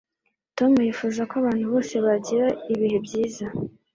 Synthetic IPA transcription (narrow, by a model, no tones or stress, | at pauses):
to̞mujiːfuzakoaβaːn̥huβo̞ːse̞βaɟiɾaiβiɦebɟiːza